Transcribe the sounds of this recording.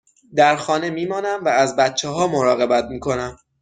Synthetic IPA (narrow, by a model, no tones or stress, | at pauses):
d̪æɾxɒːne̞miːmɒːnæmvæːzbæt̪̚t͡ʃʰːeɦɒːmoɾɒːɣe̞bæt̪̚miːkʰo̞næm